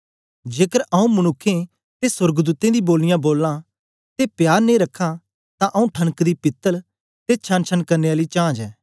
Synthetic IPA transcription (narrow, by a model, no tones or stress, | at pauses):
d͡ʒeːkəɾʔɐũmɐnʊkʰːẽ | t̪esʊɾɡd̪uːt̪ẽd̪iboːlːɪjãboːlːã | t̪epjaːɾnẽɾɐkʰːã | t̪ãʔɐũʈʰɐnkd̪ipɪt̪ːəl | t̪eːt͡ʃʰãnt͡ʃʰənkɐɾneːaːlit͡ʃãːd͡ʒɛː